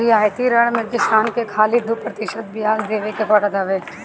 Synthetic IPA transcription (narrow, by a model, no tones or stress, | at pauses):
iaːjt̪iɾɐɽmẽkɪst̪aːnkekʰaːlid̪upɾɐt̪ɪʃət̪̚bɪjaːzd̪eːʋekepɐɽd̪aʋeː